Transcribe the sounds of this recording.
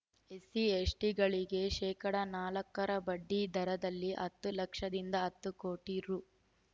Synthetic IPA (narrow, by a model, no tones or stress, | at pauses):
esiesʈiɡɐɭiɡe̞ʃɛːkɐɽɐnaːlɐkːɐɾɐbɐɖːid̪ʱɐɾɐd̪ɐlːiʔɐt̪ːulɐkʂɐd̪ind̪ɐɐt̪ːukoːʈiɾu